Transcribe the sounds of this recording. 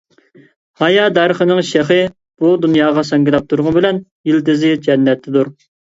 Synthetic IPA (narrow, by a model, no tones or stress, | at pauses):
hɑjɑd̪ɑɾəχənɪŋʃæχɨ | b̥ud̪unjɑːʁɑsɛŋɡʲɪlˠɛp̚t̪ʰuɾʁɑnbɪlɛnjild̪ɪzɪd͡ʒɛnːɛt̪ʰːɪd̪uɾ